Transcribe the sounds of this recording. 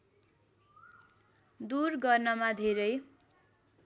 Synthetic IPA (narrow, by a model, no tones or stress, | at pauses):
d̪urɡʌrnʌmad̪ʱeɾʌj